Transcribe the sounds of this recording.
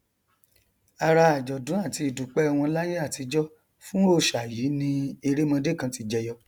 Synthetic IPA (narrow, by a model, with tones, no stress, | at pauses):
a˨ɾa˧a˨d͡ʒɔ˨dũ˨˦a˦˨ti˧i˨du˨k͡pɛ˨˦˧w̃ɔ̃˧˦la˦je˦a˦˨ti˧d͡ʒɔ˦ | fũ˦o˦˨ʃa˨ji˨˦nĩ˧e˧ɾe˦mã˧de˦˨kã˧˦ti˧d͡ʒɛ˧jɔ˧